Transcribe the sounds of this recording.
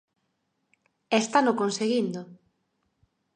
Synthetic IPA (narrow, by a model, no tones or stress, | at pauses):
est̪anʊkonseɣind̪o